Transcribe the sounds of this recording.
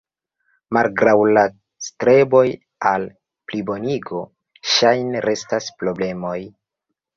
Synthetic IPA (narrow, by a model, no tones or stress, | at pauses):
malɡɾawla | stɾe̞bo̞j | al | plibo̞niɡo̞ | ʃajneɾʔe̞staspɾo̞ble̞mo̞j